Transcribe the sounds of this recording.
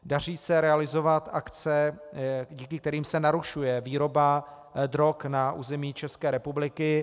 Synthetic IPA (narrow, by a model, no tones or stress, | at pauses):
dar̝iːsɛɾɛalɪzo̞vat̪ʔakt͡sɛ | ɟiːkɪkt̪ɛɾiːmsɛnaɾuʃujɛviːɾo̞ba | d̪ɾo̞knaʔṵːzɛmiːt͡ʃɛskɛːɾɛpublɪkɪ